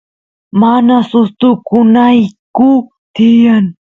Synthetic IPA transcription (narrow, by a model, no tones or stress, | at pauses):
manasʊst̪ʊkʊnajkʊ | t̪ɪjaŋ